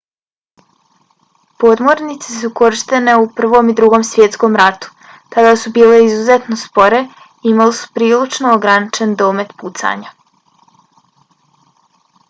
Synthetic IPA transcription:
po̞ːd̪mo̞ɾnit̪sesuko̞ɾiʃt̪e̞ne̞upr̩ʋo̞mid̪ɾuɡo̞msʋjet̪sko̞mɾat̪u̥ | t̪ad̪asubiːle̞izuzet̪nospo̞ɾe̞ | imalesu̥pɾiːlit͡ʃnoːɡɾanit͡ʃend̪o̞ːme̞t̪put̪sa̰ɲa

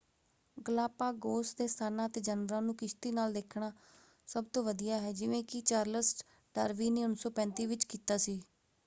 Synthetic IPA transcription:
ɡəlaːpaːɡoːsd̪eːst̪ʰaːnãːət̪eːd͡ʒənəɾãːnũːkɪʃt̪iːnaːld̪eːkʰɽaː | səb̚t̪õːʋəd̪ijaːɦɛːd͡ʒɪʋẽːkɪt͡ʃaːɾləsʈ | ɖaːɾʋiːneːʊnsɔːpɛ̃ːnt̪iːʋɪt͡ʃkiːt̪aːsiː

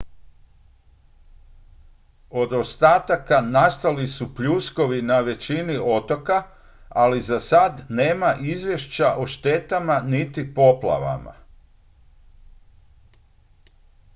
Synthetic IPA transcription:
o̞d̪o̞st̪aːt̪akanast̪alisupʎusko̞ʋinaʋe̞t͡ɕinio̞t̪o̞ka | alizasad̪ne̞ːmaʔizʋje̞ʃt͡ɕaʔoʃt̪e̞t̪amanit̪ipo̞pla̰ʋa̰ma̰

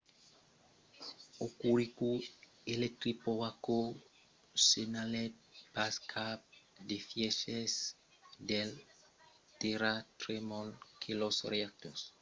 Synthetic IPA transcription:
okuɾiku | elet̪ɾipoako | senalet̪̚baskʰap̚d̪efjɛʃes | d̪el | t̪eɾat̪ɾemɔlkʰelosreak̚t̪os

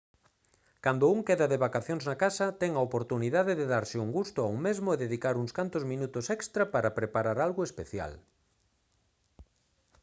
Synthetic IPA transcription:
kand̪ʊuŋkeðɐðeβakaθjoŋznakasɐt̪ɛŋaopoɾt̪uniðaðeðeðaɾsɪuŋɡust̪ʊauŋmezmʊeðeðikaɾuŋskant̪ʊzmĩnut̪ʊsɛkst̪ɾapaɾapɾepaɾaɾalɣʊespeθja̰l

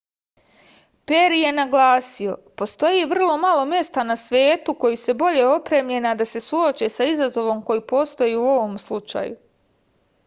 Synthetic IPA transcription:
pe̞ɾije̞naɡlaːsio̞po̞st̪o̞jiʋr̩lˠo̞malˠo̞mje̞st̪anasʋe̞ːt̪uko̞jise̞bo̞ʎe̞o̞pɾe̞ːmʎe̞nad̪ase̞suo̞t͡ʃe̞saizazo̞ʋo̞mko̞jipo̞st̪o̞jiuo̞ʋo̞mslˠut͡ʃa̰ju

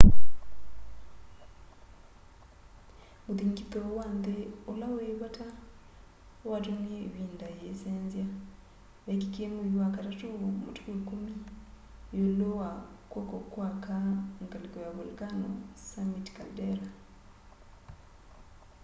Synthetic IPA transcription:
muðiŋkitowaːndeolaweβatʰa | watunieβiːndajeseːnzja | βekikemuiwakatatumutu̥kukumi | jolowakwokokwakaŋkalikɔjaβolkano̰samitkaldeɾa

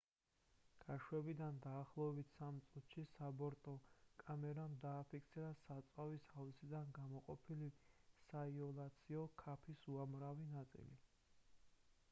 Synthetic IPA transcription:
ɡ̥aʃwɛbid̪and̪aːχlˠɔɛbit̪ʰsamt̪sʼut̪ʃisabɔɾt̪ʼɔkʼamɛɾamd̪aːpʰikʰt̪sʰiɾasat̪sʼwavishavsid̪anɡamɔqʼɔpʰilisaiɔlˠat̪sʰiɔkʰapʰisuamɾavinat̪sʼḭli

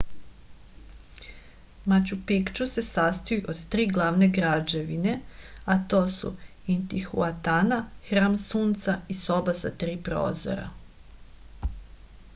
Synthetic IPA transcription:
mat͡ɕupikt͡ʃuse̞sast̪ojuʔod̪t̪ɾiːɡlˠaːʋneɡɾad͡ʒe̞ʋine̞at̪o̞ːsṵint̪ixṵat̪anaxɾaːmsuːnt̪saiso̞basat̪ɾiːpɾo̰ːzo̰ɾa̰

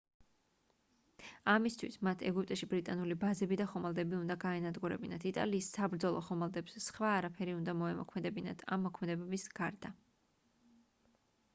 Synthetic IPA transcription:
amist̪ʰwḭsmat̪ʰɛ̰ɡupʼt̪ʼɛʃibɾit̪ʼanulibazɛbid̪aχɔmalˠd̪ɛbiund̪aɡaɛnad̪ɡuɾɛ̰binat̪ʰit̪ʼa̰liːsːabɾd̪zɔlˠɔχɔmalˠd̪ɛpsːχvaːɾapʰɛɾiund̪amɔɛmɔ̰kʰmɛd̪ɛbina̰t̪ʰa̰mːɔkʰmɛd̪ɛbɛbisɡ̥aɾd̪a

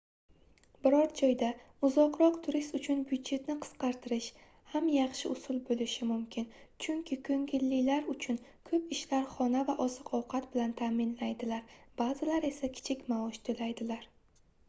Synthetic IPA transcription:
bɪɾɒɾd͡ʒɒjd̪a | ʊzɒqɾɒqt̪ʰʊɾɪst̪ʊt͡ʃʰʊnbʊd̪d͡ʒe̞t̪nɪqʰɨ̥sqɑɾt̪ʰɪɾɪʃ | hamjɑχʃɪʊsʊlˠbolɪʃɪmʊmkʲʰɪnt͡ʃʰʊŋkʲʰɪkʰɵŋɡʲɪlːɪlaɾʊt͡ʃʰʊnkʰɵpɪʃlaɾχɒnavaʔɒzɨqʰɒwqʰɑt̪bɪlant̪ʰaːmɪnlajd̪ɪlaɾb̥azɪlaɾe̞sakʲʰɪ̥t͡ʃʰɪkʲmaɒʃt̪ʰolajd̪ɪlaɾ

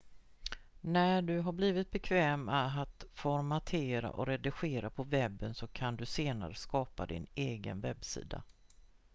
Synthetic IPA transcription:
næɖɵɦabliːvɪt̪̚bɛkʰvɛːmaːt̪fɔɾmat̪ʰeːɾa̰ʔɔɾɛd̪ɪɧeːɾapʰɔvɛbːənsɔkʰand̪ɵseːna̰ɾəskɑːpa̰d̪ɪ̰neːɡə̰nvɛbsḭːd̪a̰

